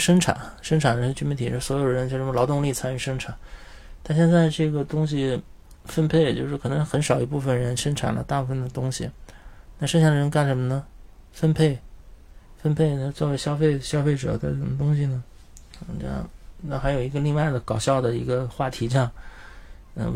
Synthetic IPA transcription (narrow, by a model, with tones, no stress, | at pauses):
ʂə˥ŋʈ͡ʂʰa̰˨˩˦nʂə˥ŋʈ͡ʂʰa˨˩nd̪ə˧˥t͡ɕy˥mi˥nt̪ʰi˨˩o˥˩swɔ˧˥jo˨˩ʊəɻə˧˥nt͡ɕjo˥˧˩ʂlɑ˧˥ʊt̪ʊ˥˧ŋli˥˩t͡sʰa˥ny˧˩ʂə˥ŋʈ͡ʂʰa˨˩˦nt̪ʰa˥˧ɕ̬jɛ˥˧nt͡sa˥˧ɪʈ͡ʂɤ˥˩ɡə˩t̪ʊ˥ŋɕ̬i˨˩ | fə˥npʰe˥˧ɪt͡ɕjo˥˧ʊʂɻ̩˥˩kʰɤ˨˩nɤ˧˥xə˧˥nʂɑ˨˩ʊi˧˥pu˥˩fə˩nɻə˧˥nʂə˥ŋʈ͡ʂʰa̰˨˩nlə̰˦t̪a˥˧pu˥˩ə˩nd̪ə˩t̪ʊ˥ŋɕḭ˨˩na˥˩ʂə˥ŋɕjɑ˥˩d̪ə˧ɻə˧˥nka˥˩nʂə˧˥nmə˧nə˨ | fə˥npʰe˥˩ɪ | fə˥npʰe˥˩ɪn˧t͡swɔ˥˩we˥ɪɕjɑ˥ʊfe˥˩ɪɕjɑ˥ʊfe˥˩ɪʈ͡ʂɤ̰˨˩˦t͡sa˥˩ɪ˥˩ʂə˨˩mə˦t̪̬ʊ˥ŋɕi˨˩nə˩˧˩ | ʈ͡ʂjɑ̰˥˩ŋna˥˩xa˧˥ɪjo˨˩ʊi˧˥ɡə˧li˥˧ŋwa˥˩ɪd̪ə˩kɑ˨˩ʊɕjɑ˥˩ʊd̪ə˩i˧˥ɡə˧xwa˥˩t̪ʰi˧˥ʈ͡ʂjɑ˥˩ŋ | ə̰˧